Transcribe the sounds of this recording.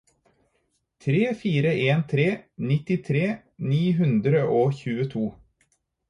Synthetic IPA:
t̪ʰɾeːfiːɾəʔeːnt̪ʰɾeːnɪt̪ɪt̪ʰɾeː | niːɦʉnd̪ɾəʔoːçʉːət̪ʰuː

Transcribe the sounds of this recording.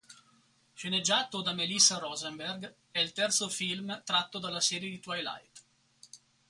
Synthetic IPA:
ʃened͡ʒːaːt̪od̪amelisaɾɔzemberɡ | ɛilt̪ɛrt̪sofilmt̪ɾat̪ːod̪alːasɛːɾjed̪it̪wajla̰jt̪

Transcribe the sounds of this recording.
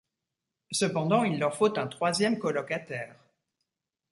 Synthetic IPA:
səpɑ̃d̪ɑ̃ilːœʁfot̪ɛ̃t̪χwazjɛmkɔlɔkat̪ɛːʁ

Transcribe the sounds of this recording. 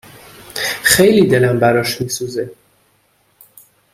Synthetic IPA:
xejliːd̪e̞læmbæɾɒːʃmiːsuze

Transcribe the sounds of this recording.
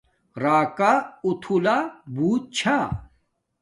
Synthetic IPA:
ɾaːkaut̪ʰulabuːt̪̚t͡ɕʰa

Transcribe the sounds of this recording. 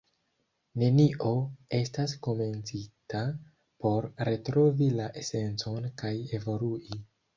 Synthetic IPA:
ne̞niʔo̞e̞stasko̞me̞nt͡sita | po̞ɾɾe̞tɾo̞vilaʔese̞nt͡so̞nkaje̞vo̞luʔi

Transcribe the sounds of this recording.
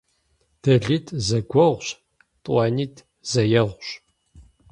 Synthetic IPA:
d̥ɐɮitʰʼzɐɡʷɐʁʷɕ | tʼʷɑːniːtʰ | zɐjɐʁʷɕ

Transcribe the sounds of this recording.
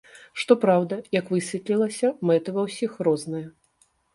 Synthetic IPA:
ʂt̪ɔpɾawd̪ɐjɐkvɨsʲvʲɛt̪lʲilˠɐsʲɐmɛt̪ɨvɐwsʲixrɔznɨjɐ

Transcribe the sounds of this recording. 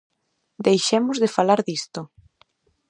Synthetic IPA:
d̪ejʃemʊzðefalaɾðist̪ʊ

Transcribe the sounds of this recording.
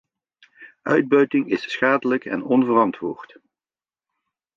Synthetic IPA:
ʔœɥd̚bœɥtɪŋɪssχaːdələkɛ̰nɔnvərɑntʋʊ̰ːɹt

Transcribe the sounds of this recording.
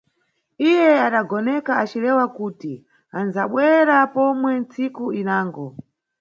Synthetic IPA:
ijɛaɗaɡɔnɛkaat͡ʃilɛwakuːti | anzaɓwɛɾapɔmwɛnt͡sikuinaːŋɡɔ

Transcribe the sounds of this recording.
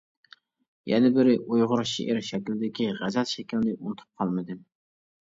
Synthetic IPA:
jɛnɪbɪɾɪʔujʁʊɾʃḛʔɪɾʃɛkʲilɪd̪ɪkʲiʁæzɛt̪ʃɛkʲilɪnɪʔunɨt̪ʰu̥p̚qʰɑlˠmɨd̪ɨ

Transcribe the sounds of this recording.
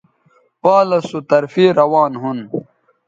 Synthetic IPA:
paːlɐsut̪ɐɾfiːɾɐwaːnɦun

